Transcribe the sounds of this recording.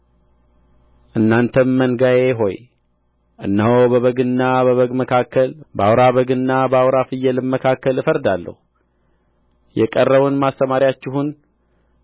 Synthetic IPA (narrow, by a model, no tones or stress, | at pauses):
ʔɨnːant̪ʰənmənɡajeɦo̞j | ʔɨnːəhowbəβəɡɨnːaβəβəɡməkʰakːəlbəawɾaβəɡɨnːabəawɾafɨjːɛlɨmmːəkʰakːəlɨfəɾd̪alːə̰hu | jɛkʼərːəβunmast̪əmaɾjat͡ʃːɪɦun